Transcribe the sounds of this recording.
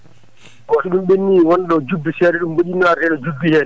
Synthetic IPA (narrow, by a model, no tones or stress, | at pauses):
waɗɛɗumɓenːiwɔnɗɔd͡ʒubːisɛːɗɛɗumboɗinaɾɛɗɔd͡ʒubːihɛːn